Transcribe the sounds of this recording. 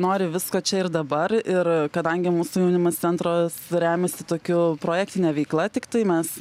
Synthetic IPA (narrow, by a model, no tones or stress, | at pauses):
noːɾʲɪʋʲɪskoːt͡ʃʲɛɪɾd̪ɐbɐɾɪrkɐd̪ɐŋʲɡʲɪmuːsʊjɛʊnʲɪmɐst͡s̪sʲɛnt̪ɾoːsɾʲæːmʲɛsʲɪt̪oːkʲʊpɾoːjæːk̚t̪ʲɪnʲɛʋʲɛɪklˠɐt̪ʲɪkt̪ɐɪmʲɛs